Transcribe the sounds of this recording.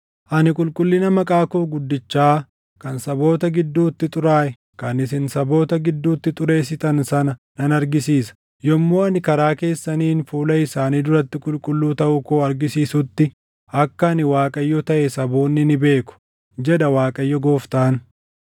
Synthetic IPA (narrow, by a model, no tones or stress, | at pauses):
ʔɐnɪkʼʊlkʼʊlːɪnɐmɐkʼaːkoːɡʊd̪ːɪt͡ʃːaː | kɐnsɐbo̞ːt̪ɐɡɪd̪ːuːt̪ːɪt̪ʼʊɾaːʔɛ | kɐnɪsɪnsɐbo̞ːt̪ɐɡɪd̪ːuːt̪ːɪt̪ʼʊɾe̞ːsɪt̪ɐnsɐnɐnɐnɐɾɡɪsiːsɐ̥ | jɔmːo̞ːɐnɪkɐɾaːke̞ːsːɐniːnfuːlɐɪsaːniːd̪ʊɾɐt̪ːɪkʼʊlkʼʊlːuːt̪ɐʔʊkoːɐɾɡɪsiːsʊt̪ːɪ | ʔɐkːɐːnɪwaːkʼɐjːɔt̪ɐʔɛsɐboːnːɪnɪbe̞ːkʊ̥ | d͡ʒɛd̪ɐwaːkʼɐjːɔɡoːft̪aːn